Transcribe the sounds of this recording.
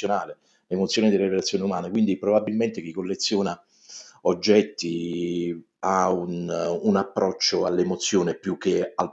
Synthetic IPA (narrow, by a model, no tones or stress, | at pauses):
jonaːle | lemot̪sːjoːnid̪elːeɾiɾelat̪sjoːniumaːnekwind̪ipɾobabːilment̪ek̟ikːolːet̪sːjoːna | od͡ʒːɛt̪ːi | aununapːɾɔt͡ʃːoalːemot̪sːjoːnepjukːeal